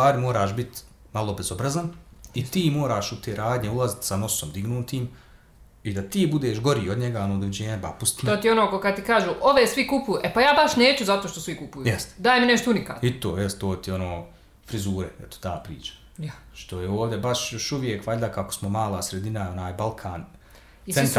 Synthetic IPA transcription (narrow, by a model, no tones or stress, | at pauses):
saːɾimo̞ːɾaːʃbit̪ | malo̞bezo̞bɾazanit̪iːmo̞ːɾaːʃut̪eːɾaːd̪ɲeulˠazit̪sano̞somd̪iɡnuːt̪iːm | id̪at̪iːbud̪eːʃɡo̞ɾiːod̪ɲeɡaonoːd̪oʋid͡ʑeːɲeba̰pust̪iot̪ionokokad̪̚t̪ikaːʒuːʔoʋeːsʋikupujuʔepajaːbaʃneːt͡ɕuzat̪oːʃt̪osʋikupujujɛst̪d̪aːjemineʃt̪ounika̰ːt̪it̪o̰ːjɛst̪t̪oːt̪io̞noː | fɾizuːɾeet̪o̥t̪aːpɾḭːt͡ʃḁ | ʃt̪o̞jeoːʋd̪jebaʃjo̞ʃuʋje̞kʋaʎd̪akako̥smomaːlˠaːsɾed̪inao̞naːjbalˠkʰaːn | isent̪ɾ